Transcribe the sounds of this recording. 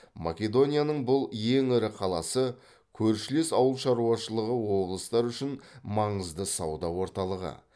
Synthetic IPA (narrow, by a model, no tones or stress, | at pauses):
mʔa̰kʲe̞d̪o̞nʲijanəɴbʊlˠje̞ŋɪɾɪqʰɑlˠɑsə | kʲʰɵɾʃɪlesɑwəlˠʃɑɾuɑʃəlˠəʁəwo̞blˠəst̪ɑɾʏʃɪnmɑɴəzd̪əsɑwd̪ɑwo̞ɾt̪ɑlˠəʁə̰